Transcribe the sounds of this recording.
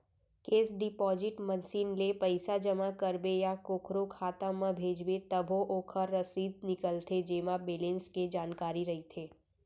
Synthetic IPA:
keːsɖɪpɔːzɪʈmɐnsiːnlepɐɪsad͡ʒɐmakɐɾbejakoːkʰɾokʰaːt̪ãmãbʱeːd͡ʒbet̪ɐbʱoʔoːkʰəɾːɐsiːd̪̚nɪkəlt̪ʰed͡ʒeːmabeːlẽːnsked͡ʒaːnkaːɾiɾɐɦit̪ʰeː

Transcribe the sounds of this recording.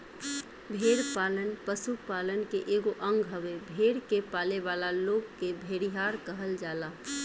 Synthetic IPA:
bʱeːɾpaːlənpəsupaːlənkeʔeːɡoʔə̃ŋɡɦəʋebʱeːɾkepaːleʋaːlaloːɡkebʱeːɾiɦaːɾkəɦəld͡ʒaːlaː

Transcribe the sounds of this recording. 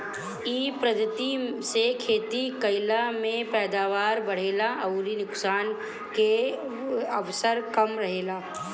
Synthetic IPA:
iːpɾəd̪ət̪isekʰeːt̪ikɐɪlamẽpɛːd̪aːʋaːɾbɐɽ̤eːlaɐɾinʊksaːn | ke | əʋsəɾkəmɾɐɦeːlaː

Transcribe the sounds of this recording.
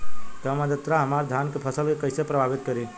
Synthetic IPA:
t̪əmad̪ət̪ɾaɦəmaɾd̪ʱjankepʰəsəlkekəɪsepɾəbʱabit̪̚kəɾe

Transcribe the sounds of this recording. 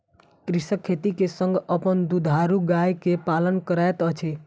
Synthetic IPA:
kɾɪʃəkʰːet̪ikesə̃ŋɡəpənd̪ud̪ʱaɾuɡajkepalənkəɾaet̪ət͡ʃʰe

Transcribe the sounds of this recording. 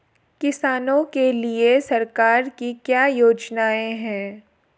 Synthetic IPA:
kɪsaːnõkeliesɐɾkaːɾkikjaːjoːd͡ʒnaːẽɦɛ̃ː

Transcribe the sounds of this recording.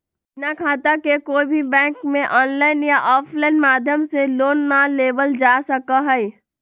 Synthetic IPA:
nakʰaːt̪akekoːibʱibɛ̃ːŋkmẽʔɔːnlaːɪnjaʔɔːpʰlaːɪnmaːd̪ʱjəmseloːnːaleːbəld͡ʒaːsəkaɦɛi

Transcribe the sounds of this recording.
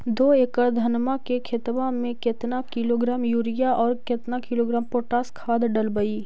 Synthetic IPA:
d̪oːeːkəɾd̪ʱɐnmakekʰet̪ʋãmẽket̪nakɪloːɡɾaːmjuːɾɪjaʔɔːɾket̪nakɪloːɡɾaːmpoːʈaːskʰaːd̪ɖəlbəi

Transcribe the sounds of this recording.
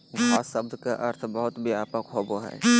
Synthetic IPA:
ɡʱaːsəb̚d̪ʱkaʔɐɾt̪ʰbəɦʊt̪biaːpəkɦoboɦɛ̰ː

